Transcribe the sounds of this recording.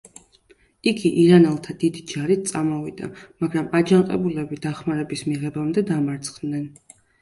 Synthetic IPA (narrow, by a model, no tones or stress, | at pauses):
iɡiʔiɾanɛlˠt̪ʰad̪id̪id͡ʒaɾit̪̚ʰt̪sʼamɔvḭd̪a̰maɡɾamad͡ʒanqʼɛ̰bulɛbid̪aχmaɾɛbismiʁɛbamd̪ɛd̪amaɾt̪sʰʼχd̪nɛn